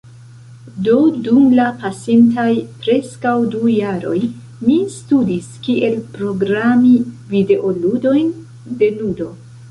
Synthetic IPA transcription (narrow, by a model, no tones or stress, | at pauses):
do̞dumlapasintajpɾe̞skawdujaɾo̞̰j | mistudiskiʔe̞lpɾo̞ɡɾamivide̞ʔo̞ludo̞jn | de̞nudo̞